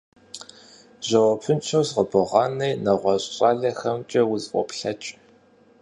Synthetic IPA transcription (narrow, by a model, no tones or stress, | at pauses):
ʑɐwɐpʰɨnt͡ʃʰozʁəbɨʁɑːnɐjnɐʁʷɔɕʼɕʼɑːɮɐxɐmt͡ʃʼɐwʊzʼʔʷʼɔ̰pɬɐt͡ʃʼ